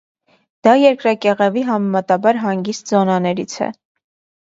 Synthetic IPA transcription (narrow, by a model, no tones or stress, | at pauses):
d̪̥ɑjɛɾkɾɑkɛʁɛviɦɑmɛmɑt̪ɑbɑɾɦɑŋɡist̪zɔnɑnɛɾit͡sʰɛ̰